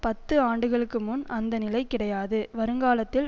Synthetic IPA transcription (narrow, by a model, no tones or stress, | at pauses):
pɐt̪ːɯaːɳɖɯɣɐɭɯkːɯmʊnʔɐnd̪ɐnɪlɐɪkɪɽɐjaːðɯʋɐɾɯŋɡaːlɐt̪ːɪl